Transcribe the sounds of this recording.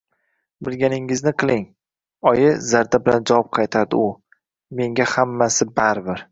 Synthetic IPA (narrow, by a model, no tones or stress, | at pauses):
bɪlɡʲanɪŋɪznɪqʰɨlˠɪŋ | ɒjɪzaɾd̪abɪland͡ʒawɒp̚qʰɑjt̪ʰad̪ɪ̰ʊ | me̞ŋɡʲahamːasɪbaɾbɪɾ